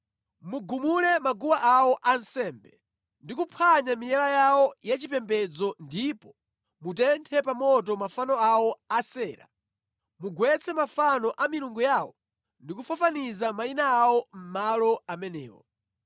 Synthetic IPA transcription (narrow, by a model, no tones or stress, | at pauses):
muɡumulɛmaɡuwaʔawɔʔansɛːmbɛ | ndikupʰaɲamijɛlajawɔjat͡ʃipɛmbɛd͡zɔndipɔ | mutɛntʰɛpamɔtɔmafanɔawɔasɛːɾa̰ | muɡwɛt͡sʰɛmafanɔʔamiɾuŋɡujawɔ | ndikufafanizamainaːwɔm̩malɔamɛnɛ̰ːwɔ̰